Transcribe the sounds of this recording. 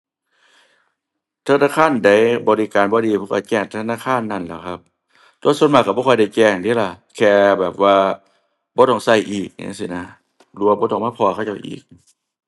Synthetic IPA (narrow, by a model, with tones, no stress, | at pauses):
t̪ʰa˧naː˧˨kʰaː˧˥˨nda˧˩jbɔː˨˧li˦˧kaː˨nbɔː˧˦diː˧˦pʰɔː˧˥ka̰˧˩t͡ɕɛː˧˩ŋt̪ʰa˧naː˧˥˨kʰaː˧˥˨nːa˧˩˨nlɛː˧˩kʰa˧p̚ | t̪u˧˦su˧ənmaː˧˩ka˧˩bɔː˧˩jda˧˩jt͡ɕɛː˧˩ŋdiː˧˥˦la˧˩kʰɛː˧bɛː˨˩p̚waː˧ | bɔː˧˦t̪ɔ˧˩ŋsa˧˩jʔiː˨˩k̚ɲa̰˧˥˦si˧˩na˧˩ | lu˧a˧bɔː˧˦t̪ɔː˧˩ŋmaː˧˥˨pʰɔː˧˨kʰa˧˩˨t͡ɕa˧˩wʔḭː˨˩k̚